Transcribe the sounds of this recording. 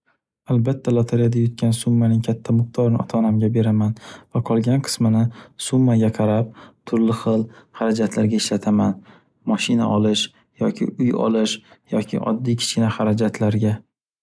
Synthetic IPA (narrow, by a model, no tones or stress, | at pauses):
albat̪ʰːalˠot̪ʰaɾijad̪ajɒt̪̚kʲʰansʊmːanɪŋkʲʰat̪ʰːamʊqt̪ʰɒɾnɪɒt̪ʰaːnamɡʲabe̞ɾamanvaqʰɒlˠɡʲanqʰɨ̥smɪnɪsʊmːaɡʲaqʰɑɾap̚t̪ʰʊɾlɪχɨlˠhaɾad͡ʒat̪ʰlaɾɡʲaɪʃlat̪ʰaman | mɒʃɪna̰ʔɒlɪʃ | jɒkʲʰɪ̰ʊjɒ̰lɪʃjɒkʲʰɪ̰ʔɒ̰d̪ːijkʲʰɪ̥t͡ʃkʲɪnahaɾad͡ʒat̪ʰlaɾɡʲa